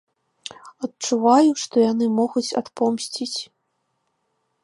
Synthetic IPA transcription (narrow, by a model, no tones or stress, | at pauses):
ɐt̚t͡ʂuvajuʂt̪ɔjanɨmɔɣut͡sʲa̰t̪pɔmsʲt͡sʲit͡sʲ